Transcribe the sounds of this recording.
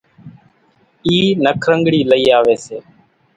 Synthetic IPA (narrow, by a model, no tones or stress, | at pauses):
iːnəkʰɾəŋɡɽiːləiːaːʋeːseː